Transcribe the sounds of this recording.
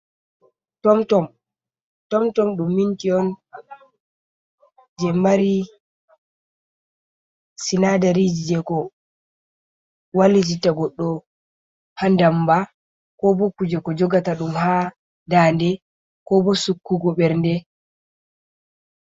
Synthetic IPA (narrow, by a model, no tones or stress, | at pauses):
tɔmtɔm | tɔmtɔmɗumːintiɔn | d͡ʒɛmaɾi | sinadaɾid͡ʒid͡ʒɛkɔ | walid͡ʒitaɡɔɗːɔ | handamba | kɔbɔkud͡ʒɛkɔd͡ʒɔɡataɗumha | dandɛ | kɔbɔsukːuɡɔɓɛɾndɛ